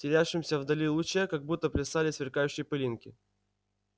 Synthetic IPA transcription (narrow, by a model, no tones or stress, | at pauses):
tʲɪɾʲæʂɨmsʲəvd̪ɐlʲilˠʊt͡ɕəkɐɡ̚but̪ːəplʲɪsalʲɪsvʲɪrkajʉɕːɪjpɨlʲinkʲɪ